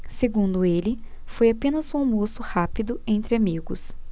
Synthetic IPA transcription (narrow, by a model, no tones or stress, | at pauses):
seɡũnd̪ʊelɪ | fojapẽnɐzũaw̃mosʊhapid̪ʊẽnt̪ɾɪamiɡʊs